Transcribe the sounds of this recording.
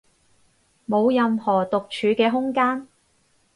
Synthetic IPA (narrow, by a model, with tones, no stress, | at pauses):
mo˨˧wjɐ˨mhɔː˨˩t̪ʊ˨k̚t͡ʃʰyː˨˧kɛː˧ɦʊ˥ŋkaː˥n